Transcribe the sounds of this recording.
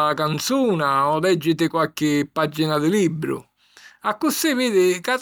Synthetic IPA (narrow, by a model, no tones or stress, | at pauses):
kant̪suːnaɔlɛd͡ʒːɪt̪ɪkwalk̟ɪpːad͡ʒːinad̪ɪlibːɾʊ̰ | akːʊsːiviːd̪ɪkat̪